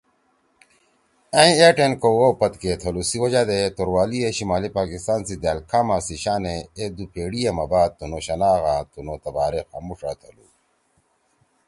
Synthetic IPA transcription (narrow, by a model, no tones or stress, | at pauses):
ɐ̃ĩeʈenkowopɐt̪ket̪ʰɐlusiwɐd͡ʑad̪et̪oɾwaːlieɕimaːlipaːkist̪aːnsid̪aːlkʰaːmaːsiɕaːneed̪upeːɽijemɐbaːd̪̚t̪unoɕɐnaːɣãt̪unot̪ɐbaːɾexamuʂa̰ːt̪ʰɐlu